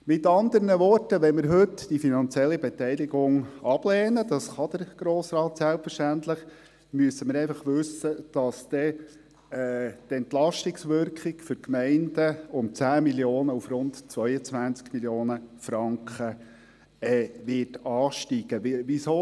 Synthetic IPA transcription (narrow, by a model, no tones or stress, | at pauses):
mɪt̪ɑnd̪əɾnəʋɔrtəʋɛnmɪɾɦɵt̪d̥ifinɑnt͡sjɛlːibɛt̪ɛɪlɪɡʊŋɑb̥lɛːnəd̥̪ɑsχɑd̪əɾɡ̥ɾoːsrɑːt̪sælpfəɾʃtænt̪ləχ | myəsəməɾɛɪfɑχʋɵsəd̥ɑsd̥̪ɛ | ɛːtɛnt̪lɑʃtɪksʋʏɾkχɪkfʏɾkmɛɪndəʊmt͡sæːmiljoːnəufɾʊntt͡sʋœʏət͡sʋænt͡skmiljoːnəfɾɑŋkχə | ɛːʋɪtɑːʃtiɡ̥əʋiso